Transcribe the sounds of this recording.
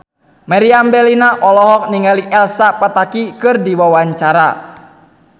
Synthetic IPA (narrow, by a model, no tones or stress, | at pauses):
maɾiambɛlinaʔɔlɔɦɔk̚niŋɡaliʔɛlsapat̪akikɨrdiwawaɲt͡ʃaɾa